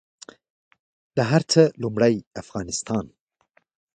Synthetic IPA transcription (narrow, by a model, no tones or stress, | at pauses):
d̪̥əɦaɾt͡səlumɽəjafɣɑnɪst̪ɑn